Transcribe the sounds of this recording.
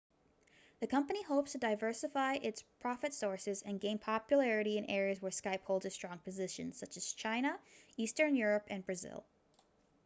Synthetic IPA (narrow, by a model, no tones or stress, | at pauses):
ðɨkʰʌ̃mpɨnihoʊpstʰɨdaɪvɜ˞sɨfaɪʔɪtspʰɹ̥ɑfɨtsɔɹsɨzɨ̃nɡẽɪ̃npʰɑpjɨlɛɹɨɾiɨ̃nɛɹiɨzwə˞skaɪphoʊlˠdzɨstɹ̥ɔ̃ŋpʰɨzɪʃɨ̰̃nz̥sʌt͡ʃɨz̥t͡ʃʰãɪ̃ñəistə̃˞njʊɹɨpɨ̃nbɹɨzɪ̰lˠ